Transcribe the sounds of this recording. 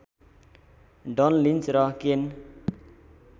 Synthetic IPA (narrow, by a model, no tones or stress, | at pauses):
ɖɔnlinsɾɔken